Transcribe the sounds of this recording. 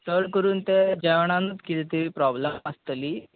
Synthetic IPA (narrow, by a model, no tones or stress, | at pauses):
t̪əɭkəɾuːnt̪ed͡ʑɛʋɳ̃ãnət̪kit̪ɛt̪iʋiːpɾɔbleməst̪liː